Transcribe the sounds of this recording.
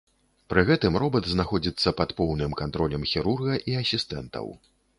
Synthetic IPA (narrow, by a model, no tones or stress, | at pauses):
pɾɨɣɛt̪ɨmrɔbɐd̪znaxɔd͡zʲit̪sːɐpɐt̪pɔwnɨmkant̪ɾɔlʲɐmxʲiɾurɣɐʔiɐsʲist̪ɛ̰nt̪ɐ̰w